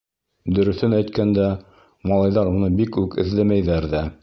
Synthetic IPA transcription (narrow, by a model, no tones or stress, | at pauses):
d̪ɵ̆ɾɵ̆θɘnæjt̪kænd̪æ | mɑlˠɑjðɑɾunɤbikʉkɘ̆ðlæmæjðæɾðæ